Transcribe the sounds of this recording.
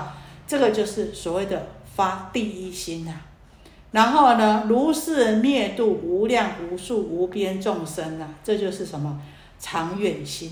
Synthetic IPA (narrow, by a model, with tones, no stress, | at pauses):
ʈ͡ʂɤ˥˩ɡə˨t͡ɕjo˥˧ʊʂɻ̩˥˩swɔ˨˩we˥˩ɪd̪ə˩fa˥t̪i˥˩i˥ɕi˦na˨ | ɻa˧˦nxo˥˩ʊnə˧lu˧˥sɹ̩˥˧mjɛ˥˧nt̪u˥˩u˧˥ljɑ˥˨˩ŋu˧˥ʂu˥˩u˧˥pjɛ˦nʈ͡ʂʊ˥˨ŋʂə˦˥na˨ʈ͡ʂɤ˥˧t͡ɕjo˥˧ʊʂɻ̩˥˩ʂə˧˦nmə˨ | ʈ͡ʂʰɑ˧˥ŋɥɛ˨˩nɕi˦n